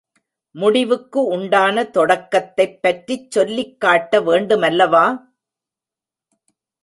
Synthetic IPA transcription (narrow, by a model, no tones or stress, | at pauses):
mʊɽɪʋɯkːɯʊɳɖaːnɐt̪ɔɽɐkːɐt̪ːɐɪpːɐʈrit͡ʃsɔlːɪkːaːʈːɐʋeːɳɖɯmɐlːɐʋaː